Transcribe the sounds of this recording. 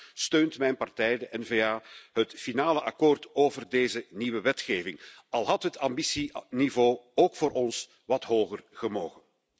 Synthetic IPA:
støːntmɛjnpɑrtɛjdəʔɛnveːaːɦətfinaːləʔɑkoːrtoːvərdeːzəniʋəʋɛtxeːvɪŋ | ɑlˠɦɑtɦətʰambisinivoːoːkfoːɾɔns | ʋɑtɦoːɣərɣ̥əmoːɣən

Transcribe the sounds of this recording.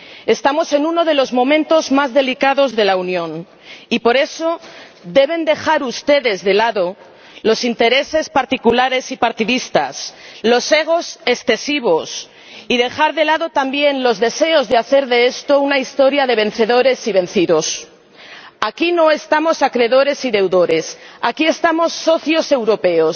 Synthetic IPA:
e̞st̪amo̞se̞nuno̞ðe̞lo̞zmõ̞mẽnt̪o̞zmazðe̞likaðo̞zðe̞launjõ̞n | ipo̞ɾe̞so̞ðe̞β̞e̞nd̪e̞xaɾust̪e̞ðe̞zðe̞laðo̞ | lo̞sint̪e̞ɾe̞se̞spaɾt̪ikulaɾe̞sipaɾt̪iðist̪a̰slo̞se̞ɣ̞o̞se̞sθe̞siβ̞o̞s | iðe̞xaɾðe̞laðo̞t̪ambje̞nlo̞zðe̞se̞o̞zðeaθe̞ɾðe̞e̞st̪o̞unaist̪o̞ɾjaðe̞β̞e̞n̟θe̞ðo̞ɾe̞siβ̞e̞n̟θiðo̞s | akino̞e̞st̪amo̞sakɾe̞ðo̞ɾe̞siðe̞wðo̞ɾe̞sakie̞st̪amo̞sːo̞θjo̞se̞wɾo̞pe̞o̞s

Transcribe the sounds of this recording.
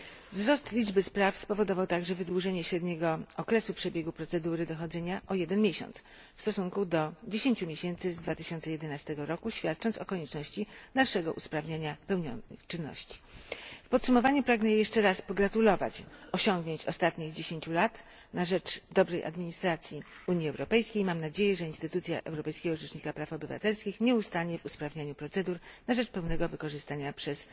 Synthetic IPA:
vzɾɔst̪lʲid͡ʐbɘspɾafspɔvɔd̪ɔvawt̪aɡʐɛvɘd̪wuʐɛɲɛɕɾɛd̪ɲɛɡɔɔkɾɛsupʂɛbʲjɛɡupɾɔt̪sɛd̪uɾɘd̪ɔxɔd̪zɛɲaʔɔjɛd̪ɛnmʲjɛɕɔ̰nt̪s | fst̪ɔsuŋkud̪ɔd͡ʑeɕeɲt͡ɕumʲjeɕɛnt̪sɘzd̪vat̪ɘɕɔnt̪sɛjɛd̪ɛnast̪ɛɡɔɾɔkuɕfʲat̪̚t͡ʂɔnt̪sɔkɔɲɛt͡ʂnɔɕt͡ɕid̪aʂɛɡɔʔuspɾavɲaɲapɛwɲɔnt͡ʂɘnːɔ̰ɕt͡ɕi̥fpɔt̪sumɔvaɲupɾaɡnɛjjɛʂt͡ʂɛɾaspɔɡɾat̪ulɔva̰t͡ɕɔɕɔŋɡɲeɲt͡ɕɔ̰st̪at̪ɲiɣd͡ʑeɕeɲt͡ɕulat̪ | naʐɛt͡ʂd̪ɔbɾɛjʔa̰d̪mʲiɲist̪ɾat̪sʲji | uɲiɛwɾɔpɛjskʲejmamnad͡ʑejɛʐɛinst̪ɘt̪ut̪sʲja̰ʔɛ̰wɾɔpɛjskʲɛɡɔʐɛt͡ʂɲikapɾafɔbɘva̰t̪ɛlskʲixɲɛust̪aɲɛvuspɾavɲaɲupɾɔt̪sɛd̪uɾnaʐɛt͡ʂpɛwnɛɡɔvɘkɔʐɘst̪aɲapʂɛs

